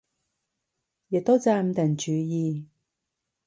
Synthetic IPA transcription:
jɪ˨k̚t̪o˥wt͡saː˧m̩˧t̪ɐ˨˩nt͡ʃyː˨˧˦jiː˧

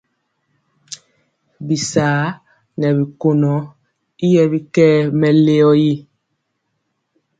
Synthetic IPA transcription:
bi˨saː˨˦ | nɛ˨bi˨ko˨nɔ˨˦ | i˦jɛ˦bi˦kɛ˦mɛ˨le˦ɔ˦ji˦

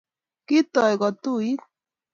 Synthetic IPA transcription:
ki˦t̪ɔ˨jɡɔ˨t̪u˦i˦

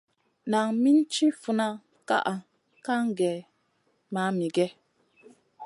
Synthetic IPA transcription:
na˨ŋmi˦n˦t͡ʃi˦fu˨na˦ | ka̰˦ʔa˨ | ka˦ŋ˦ɡɛ˨ | ma˨˦mi˨ɡɛ˦

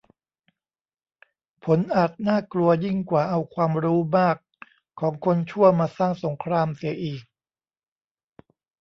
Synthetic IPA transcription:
pʰo˩˦nʔaː˨˩t̪̚naː˥˩klu˧ɐji˥˩ŋkwaː˨˩ʔa˧wkʰwaː˧mɾuː˦˥maː˥˩kʰː | ɔː˩˦ŋkʰo˧nt͡ɕʰu˥˩ɐmaː˧saː˥˩ŋso˩˦ŋkʰɾaː˧msi˨˩˦ɐʔiː˨˩k̚

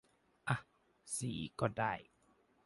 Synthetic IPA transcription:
ʔa˧˩h | siː˨˦kɔː˧˩da˥˩˨j

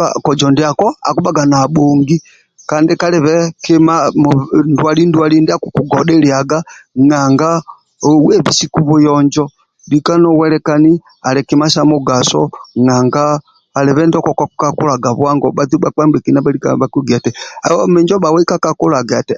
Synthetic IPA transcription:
a̰kɔ˨d͡ʒɔ˨ndɛa˨kɔa̰˨ku˦baɡa˨na˨ɓo˨ŋɡi | kandɪka˦lɛ˨βɛkɪmamndwa˨li˦ndualindi˦a˦kuku˨ɡɔɗɛliaɡaŋaŋɡa | wɛβi˨si˦ku˦βu˦jɔɲd͡ʒɔ | dika˦nɔ˦wɛlɛka˦ni˦ | a˨lɛ˨kima˦ʃamu˦ɡa˨sɔ̰ŋaŋɡaː˨ | lɛ˨βɛndɔ˦kɔkakukaku˦la˨ɡa˨βwa˦ŋɡɔɓa˦d͡zu˦ɓak͡pa˦mbɛ˨ki˨na˦ba˦likabakuɡi˨a˨tɛa̰˨ɔmɛ˦ɲd͡ʒɔ˦ba˨wɛ˦i˦ka˦kaku˦la˨ɡaa˨tɛ

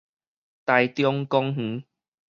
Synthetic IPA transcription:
t̪a˧jt̪jɔ˧ŋkɔ˦˧ŋh̩˨˦

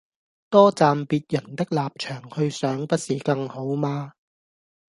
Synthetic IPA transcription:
t̪ɔː˥t͡saː˨˧mpiː˧t̚jɐ˨˩nt̪ɪ˥k̚laː˨p̚t͡ʃʰœː˨˩ŋhɵ˧ɥsœː˨˥ŋpɐ˥t̚siː˨˩kɐ˧ŋho˨˥wmaː˧

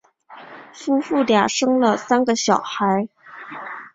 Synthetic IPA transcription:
fu˥fu˥˩lja˨˩ʂɤ˥ŋlə˨sa˥nɡə˨ɕjɑ˨˩ʊxa˧˥ɪ

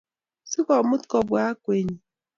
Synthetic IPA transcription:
si˦kɔ˨mʊ˦tkɔ˨bʊ˨a˦kʷe˨ɲi˨

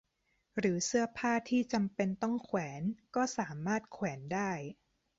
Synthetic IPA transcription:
ɾɯː˩˦sɯ˥˩ɐpʰaː˥˩t̪ʰiː˥˩t͡ɕa˧mpe˧nt̪ɔ˥˩ŋkʰwɛː˩˦nkɔː˥˩saː˩˦maː˥˩t̪̚kʰwɛː˩˦ndaː˥˩j

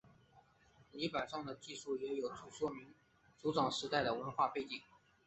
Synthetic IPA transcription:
li˧˥pa˨˩nʂɑ˥˩ŋd̪ə˩t͡ɕi˥˧ʂu˥˩jɛ˧˥jo˨˩ʊt͡su˨˩ʂwɔ˥mi˧˥ŋ | t͡su˧˥ʈ͡ʂɑ˨˩ŋʂɻ̩˧˥t̪a˥˩ɪd̪ə˩wə˧˥nxwa˥˧pe˥˩ɪt͡ɕi˨˩˦ŋ

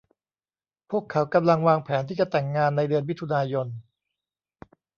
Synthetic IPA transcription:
pʰu˥˩əkʰːa˩˦˥wka˧mla˧ŋwaː˧ŋpʰɛː˩˦nt̪ʰiː˥˩t͡ɕa˨˧t̪ɛ˨˩ŋːaː˧nːa˧jdɯ˧ənmi˦˥t̪ʰu˧naː˧jo˧n

